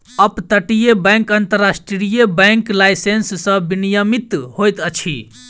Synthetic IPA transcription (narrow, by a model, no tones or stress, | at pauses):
əpt̪əʈijebɛ̃ŋkənt̪əɾasʈɾɾijebɛ̃ŋklajsenssə̃binijəmit̪hojt̪ət͡ʃʰḭ